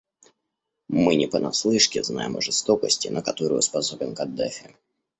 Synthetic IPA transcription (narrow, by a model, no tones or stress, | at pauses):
mɨnʲɪpənɐslˠɨʂkʲɪzna̰jɪməʐɨst̪o̞kəsʲtʲɪnəkɐt̪o̞ɾʊjʊspɐso̞bʲɪnkɐd̪ːɛfʲɪ